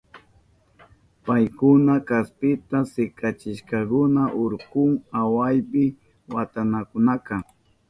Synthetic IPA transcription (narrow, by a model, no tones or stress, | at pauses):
pajkʊnakaspɪt̪asɪkat͡ʃɪʃkɑkʊnaʔʊɾqʊŋawajpɪ | wat̪anakʊnaka